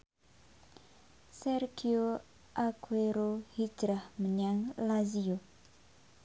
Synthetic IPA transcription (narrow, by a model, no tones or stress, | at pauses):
sɛrɡio | ʔakweɾohi̥d͡ʒɾahməɲaŋlazio